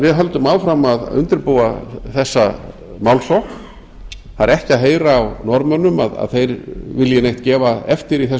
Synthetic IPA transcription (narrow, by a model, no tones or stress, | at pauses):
vɪðɦœlt̪ʏmaːwfɾamaðʏ̰nt̪ɪɾpoːwaθɛsːa | mawlsɔk | θaɾɛhcɪaðɦeːjɾaːwnɔɾmœnːʏmaða̰ðθejɾvɪljɪnejht̪cɛːvaɛft̪ɪɾiθɛs